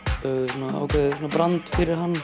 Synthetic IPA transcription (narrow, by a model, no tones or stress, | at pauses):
sɔnaa̰wkejsɔnabɾant̪fɪɾɪɾ̥ɦanː